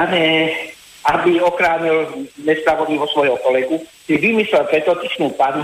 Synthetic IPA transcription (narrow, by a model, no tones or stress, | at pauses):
aɲɛ | abiɔxɾaːɲilmɛspɾaʋɔniʋɔsʋɔjɔkɔlɛɡusiʋimislɛlpɾɛt̪ːɔt̪iʃnuːpan